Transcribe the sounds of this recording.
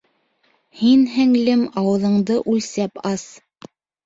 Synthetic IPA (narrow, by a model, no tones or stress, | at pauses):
hinɦæŋlɘmɑwɤ̆ðɤ̆ɴd̪ɤʔʉlsæpɑs